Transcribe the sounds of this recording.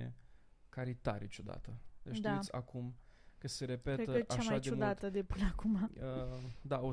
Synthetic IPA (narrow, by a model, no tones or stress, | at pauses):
ḛ | kaɾit̪a̰ɾit͡ʃud̪a̰t̪əd̪et͡ʃt̪d̪ia̰kumkəse̞ɾe̞petɾeəəaaʃmaajd̪eumud̪at̪əd̪epɨnəakumaəd̪ao